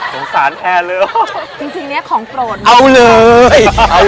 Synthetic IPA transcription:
sʰo˨˩˦nsaː˩˦npʰɛː˧lɤː˧˦t͡ɕi˧ŋt͡ɕi˧ŋni˦˥ɐkʰɔː˩˦ŋkɾoː˧˩nʔa˧wlɤː˧jʔa˧˩

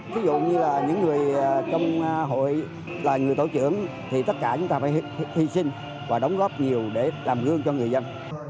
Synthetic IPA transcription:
vi˨˦zʊ̰˧˨ɲɨ˧laː˨˩ɲɨ̰˧˥ŋːɨ˨˩əjt͡ɕɔ˧wŋ͡mɦo̰˧˨j | laː˨˩ŋɨ˨˩əjt̪o˧˩t͡ɕɨ̰˧˥əŋ | t̪ʰi˨˩t̪ə˦˥t̚kaː˧˩t͡ɕʊ˨˦ŋ͡mt̪aː˧faː˧˦jhi˧sï˧ŋ | vaː˨˩ɗə˨˦wŋ͡mɣɔ˦˥p̚ɲi˨˩əwɗe˧˩laː˨˩mɣɨ˧əŋt͡ɕɔ˧ŋɨ˨˩əjzə˧n

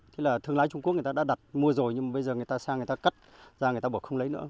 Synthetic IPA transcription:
t̪ʰlaː˨˩t̪ʰɨ˧əŋlaː˨˦jt͡ɕʊ˧ŋ͡mku˦˥k̚ɨ˨˩tːaː˧ɗa̰ː˧ɗa˨˩t̚mu˧əzo˨˩jɲɨ˧ŋmaː˨˩ɓə˧jzəː˨˩ŋɨ˨˩ə˩jt̪aː˧saː˧ŋ˨˩jt̪aː˧ka˦˥t̚ | zaː˧ŋ˨˩jt̪aː˧ɓu˧˩kxə˧ŋ͡mlə˨˦jnɨ̰˧˥ə

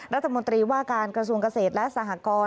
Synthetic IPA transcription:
ɾa˦˥t̪ʰːa˧mo˧nt̪ɾiː˧waː˥˩kaː˧nkɾa˧su˧əŋka˧seː˨˩t̪̚lɛ˦˥ʔsa˨˩ɦa˧˩kɔː˧

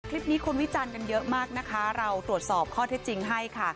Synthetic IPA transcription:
kʰli˦˥p̚niː˦˥kʰu˧nwi˦˥t͡ɕaː˧nka˧njɤ˦˥ʔmaː˥˩k̚na˦˥kʰa˦˥ɾa˧wt̪ɾu˨˩ət̪̚sɔː˨˩p̚kʰɔː˥˩t̪ʰe˦˥t̪̚t͡ɕi˧ŋɦa˥˩jkʰa˥˩

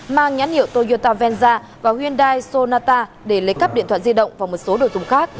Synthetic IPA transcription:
maː˧ŋɲa˨˦nhḭ˧˨ə˨wt̪o˧zo˧t̪aː˧vɛ˧nzaː˧ | vaː˨˩hwi˧ənɗaː˧jso˧naː˧t̪aː˧ | ɗe˧˩lə˨˦kə˦˥p̚ɗḭ˧˨t̪ʰwaː˧˨zi˧ɗə̰˧˨wŋ͡mvaː˨˩wmo˨˩t̚so˨˦ɗo˨˩zʊ˨˩ŋ͡mxaː˦˥k̚

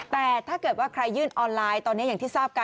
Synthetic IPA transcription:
t̪ɛː˨˩t̪ʰaː˥˩kɤː˨˩t̪̚waː˥˩kʰɾa˧jːɯː˥˩nʔɔː˧nlaː˧jt̪ɔː˧nːi˦˥ja˨˩ŋt̪ʰiː˥˩saː˥˩p̚ka˧

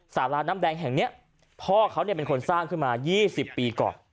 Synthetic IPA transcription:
saː˩˦laː˧˥naː˦˥mdɛː˧ŋɦɛ˨˩ŋni˦˥ɐ | pʰɔː˥˩kʰa˦˥wni˥˩pe˧nkʰo˧nsaː˥˩ŋkʰɯ˥˩nmaː˧jiː˥˩si˨˩pːiː˧kɔ̰ː˨˩n

